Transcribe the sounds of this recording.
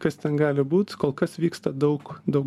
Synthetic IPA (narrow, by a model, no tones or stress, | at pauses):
kɐst̪ʲɛnɡɑːlʲɪbuːt̪koːlˠkɐsʋʲiːkst̪ɐd̪ɐʊkd̪ɐʊ